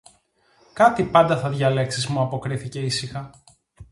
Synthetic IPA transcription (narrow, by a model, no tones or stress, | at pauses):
kɐt̪ipɐnd̪ɐθɐðʝɐle̞ksizmuɐpo̞kɾiθice̞isixɐ